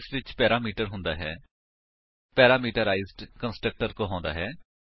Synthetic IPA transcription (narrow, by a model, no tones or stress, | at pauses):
sʋɪt͡ʃpɛːɾaːmiːʈəɾɦʊ̃nd̪a̰ːɦɛː | pɛːɾaːmiːʈəɾaːɪzɖkə̃nsʈɾək̚ʈəɾkoːɦãːnd̪a̰ːɦɛː